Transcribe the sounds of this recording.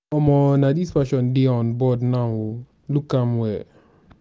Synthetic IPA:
ɔmɔnadisfaʃɔndɪɔnbɔdna | lukːamwɛ

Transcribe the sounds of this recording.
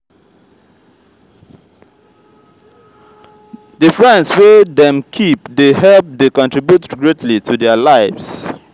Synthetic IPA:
dəfɹɛ̃nswedɛ̃mkʰip̚d̪ehɛlp̚d̪ekɔ̃ntʰɹibjutɡɹetʰlitʰudɛlaɪvs

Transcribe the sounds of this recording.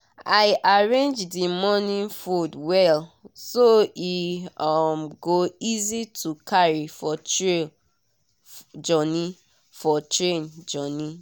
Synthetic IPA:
aɪʔaɹẽnd͡ʒdimɔnĩnfudwɛlsoiamɡoizitʰukʰaɹifɔe | d͡ʒɔnĩ | fɔtɹẽnd͡ʒɔnĩ

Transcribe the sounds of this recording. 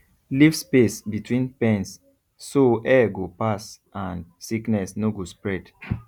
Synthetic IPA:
livspesbitʰwĩnpɛ̃nsː | oʔɛɡopas | ãnsiknɛsnoɡospɹɛd

